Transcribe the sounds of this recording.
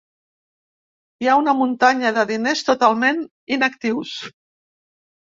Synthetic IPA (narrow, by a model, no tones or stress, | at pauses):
iaunəmunt̪aɲəðəðinest̪ut̪alˠmen | inəkt̪iws